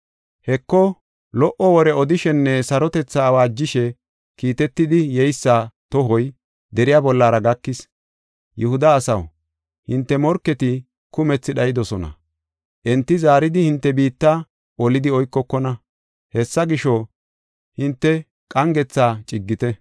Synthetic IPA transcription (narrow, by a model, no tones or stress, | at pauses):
hɛkːɔ | lɔʔɔwɔɾɛɔd̪ɪʃɛnːɛsɐɾɔt̪ɛt͡sːaːwaːd͡ʒːɪʃɛ | kiːt̪ɛt̪ːɪd̪ɪjɛjsːaːt̪ɔɦɔj | d̪ɛɾɪjaːbɔlːaːɾɐɡɐkːɪs | jɛhʊd̪ɐːsɐw | hɪnt̪ːɛmɔɾkːɛt̪ɪ | kʊmɛt͡sːɪɗɐjɪd̪ɔsɔnɐ̰ | ʔɛnt̪ːɪzaːɾɪd̪ɪhɪnt̪ːɛbiːt̪ːa | ʔɔlɪd̪ɪɔjkːɔkːɔnɐ | hɛsːɐɡɪʃɔ | hɪnt̪ːɛ | kʼɐŋɡɛt͡sːaːt͡ʃʼɪɡːɪt̪ɛ